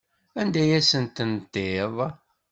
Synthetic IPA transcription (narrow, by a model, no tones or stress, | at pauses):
ænd̪æjæsənt̪ənt̪ːeðˤ